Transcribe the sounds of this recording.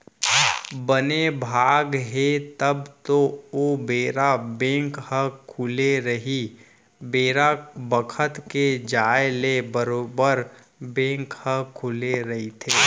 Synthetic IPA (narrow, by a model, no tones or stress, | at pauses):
bənebʱaːɡɦet̪əbt̪oobeːɾabẽːŋkhəkʰuleɾəɦi | beːɾabəkʰət̪ked͡ʒaːjlebəɾoːbəɾ | bẽːŋkhəkʰuleɾɐɦit̪ʰeː